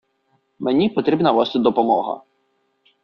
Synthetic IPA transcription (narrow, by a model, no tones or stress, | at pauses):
menʲipɔt̪ɾʲibnɐʋɔst̪ɪd̪ɔpɔmɔɦɐ̰